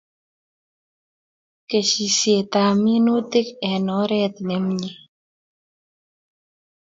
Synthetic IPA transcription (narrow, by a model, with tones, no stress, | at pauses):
ke˨ʃi˨sje˨t̪a˨mi˦no˦t̪ɪ˦kɛ˨nɔ˨˦ɾɛ˦t̪ne˨mɲi˦